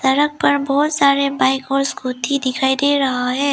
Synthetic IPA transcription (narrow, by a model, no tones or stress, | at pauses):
sɐɾək̚pɐɾbɔːt̪saːɾebaːɪkɔːɾskuːt̪ʰid̪ɪkʰaːid̪eːɾɐɦaɦɛː